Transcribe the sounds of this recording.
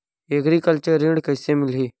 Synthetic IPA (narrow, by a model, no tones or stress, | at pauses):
eːkɾiːkəlt͡ʃəɾːɪ̃ɳɖkəɪsemɪlɦiː